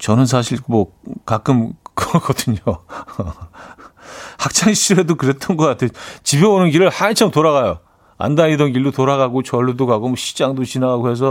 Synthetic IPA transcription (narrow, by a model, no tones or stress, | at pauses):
t͡ɕʌnɯns̬ʰaɕʰiɭmwʌkak͈ɯmkʌkʌdɯɲo | hak̚t͡ɕ͈ʰaŋɕʰiɾuɦedokɯɾe̞t͈ʌnɡʌk͈atʰet͡ɕibeonɯnɡiɾɯɭhant͡ɕʰʌmtoɾaɣajo | a̰ndaɲidʌnɡiɭdotoɾaɣaɡot͡ɕʌɭːudoɡaɡomʌɕʰi̥d͡ʑaŋdot͡ɕinaɡaɡoɦe̞s̬ʰʌ